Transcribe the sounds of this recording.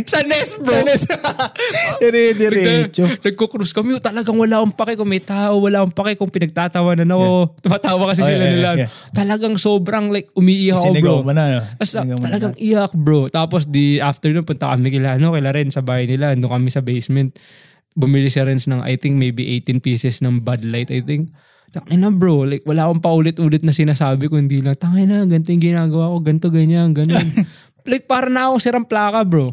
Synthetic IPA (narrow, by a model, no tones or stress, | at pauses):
sɐnɛsbonɛs | ɛɾid̪ɛt͡ʃonɐɡ̚kokɾuskɐmot̪ɐlɐɡaŋwɐlaːʔʊŋpɐkɛkʊŋmɐjt̪aːʔowɐlaːʔʊŋpɐkɛkʊŋpɪnɐɡ̚t̪aːt̪ɐwanɐnɐko̞t̪ʊmat̪aːwɐkɐs̬ɪsɪlaɪlan | t̪ɐlɐɡaŋso̞ːbɾɐŋlajk̚ʔʊmiʔiːkkobɹomɐnat̪ɐsɐɐlɐɡaŋʔɪjak̚bɹot̪aːposd̪iʔaft̪ɛɹonpʊnt̪ɐkɐmɪkɪlaʔɐno̞kɪlɐɾɛnsɐbaːhɐjnɪlaɐnd̪oŋkɐmɪsɐbejsmɛnt̪̚ | bʊmɪlɪsaɾɛnsnɐŋʔɐ̰jt̪ɪŋk̚mejbiʔejt̪ɪnpiːsɛsnɐŋbad̪lajt̪ʔɐjt̪ɪŋk̚ | t̪ɐŋɪnɐbɹolajk̚wɐlaːʔkoŋpɐʔuːlɪt̪̚ʔuːlɪt̪nɐsɪnaːsaːbɪkohɪnd̪iːlɐŋt̪ɐŋɐjnɐɡɐnt̪̬oʊŋɡɪnaːɡɐwaːko̞ɡɐnt̪o̞ɡɐɲanɡɐnon | lajk̚paːɾɐnɐɐkoŋsɪɾɐmplaːkɐbɾo